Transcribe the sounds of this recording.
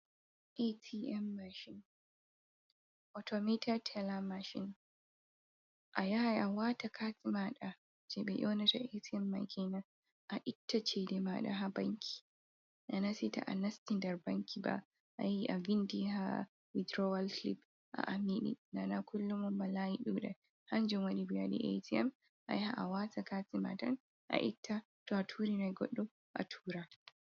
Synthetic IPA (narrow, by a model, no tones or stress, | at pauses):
ʔetʰiʔɛmːaʃɪn | ʔɔtʰɔmetʰartʰɛlamaʃɪ̰n | ʔajahajʔawatakʰasimaɗa | d͡ʒɛbɛ̰ʔonataʔetiɛmːa̰jkʰʲeːna | ʔaʔɪtʰːat͡ʃedɛmaɗa̰ɦabɐŋkʲʰi̥ | ʔanasita̰ʔanastindaɾbaŋkiba̰ | ʔa̰jiʔavindiha̰ | widɾɔwalklip | ʔa̰ʔamiɗḭnanakulːumɔmbalajiɗuɗɛ | hand͡ʒɔmwanibijadḭʔḛtiɛm | ʔa̰jhaʔawatakatima̰tan | ʔa̰ʔitʰːa | tɔatʰuːɾinajɡɔ̰ɗːɔ | ʔa̰tʰuːɾa